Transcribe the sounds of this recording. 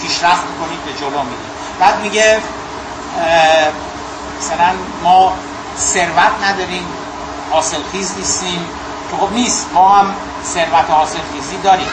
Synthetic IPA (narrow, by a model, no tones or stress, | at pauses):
pʰiːʃɾæft̪̚mkoniːd̪ved͡ʒoloːmid̪ḭ | b̥æːd̪miɟe | mæsælæn | mɒː | se̞ɾvæt̪ʰnæd̪ɒːɾiːm | hɒːselxiːzniːst̪iːm | cʰexobniːst̪mɒːham | se̞ɾvæt̪ʰehɒːse̞lxiːziːd̪ɒːɾiːm